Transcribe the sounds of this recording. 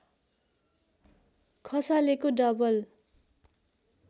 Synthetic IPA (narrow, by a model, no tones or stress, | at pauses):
kʰʌsalekoɖʌbʌl